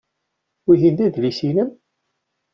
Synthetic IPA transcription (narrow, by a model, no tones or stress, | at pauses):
iʝind̪æd̪lisinəm